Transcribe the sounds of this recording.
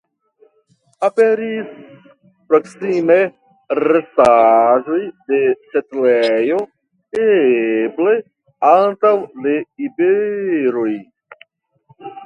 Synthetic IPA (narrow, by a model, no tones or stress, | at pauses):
apeɾis | pɾoksime | ɾesaʒojde̞setlejo | eble̞ | antawleibeɾoj